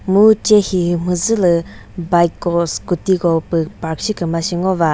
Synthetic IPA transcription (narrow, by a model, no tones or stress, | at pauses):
mut͡ɕaɕʰim̥əzələ | bajkoχskot̪iɡopiparɕʰəkəmaɕəŋowa